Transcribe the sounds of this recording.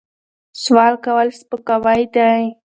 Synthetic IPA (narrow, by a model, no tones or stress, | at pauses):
swɑlkawəlspəkawajd̪aj